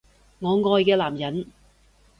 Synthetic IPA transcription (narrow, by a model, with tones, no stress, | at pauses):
ŋɔː˨˧ŋɔː˧jkɛː˧laː˨˩mjɐ˨˥n